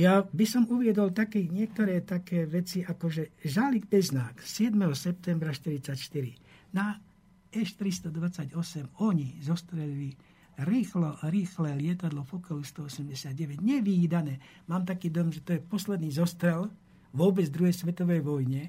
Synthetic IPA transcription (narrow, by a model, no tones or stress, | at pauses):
jabisɔmuʋɪɛd̪ɔlt̪akiːɲɪɛk̚t̪ɔɾɛːt̪akɛːʋɛt͡siʔakɔʒɛʒaliɡbɛznaːksɪɛd̪mɛɦɔsɛp̚t̪ɛmbɾaʃt̪iɾit͡sacʃt̪iɾina | ɛʃt̪ɾist̪ɔd̪ʋat͡saɟɔsɛmɔɲizɔst̪ɾɛlili | ɾiːxlɔɾiːxlɛːlɪɛt̪ad̪lɔfɔkalust̪ɔɔsɛmɟɛsɪad̪ɟɛʋɛɟɲɛʋid̪anɛː | maːmt̪akiːd̪ɔjɔmʒɛt̪ɔjɛpɔslɛd̪niːzɔst̪ɾɛl | ʋʊɔbɛd͡zd̪ɾuɦɛjsʋɛt̪ɔʋɛjʋɔjɲɛ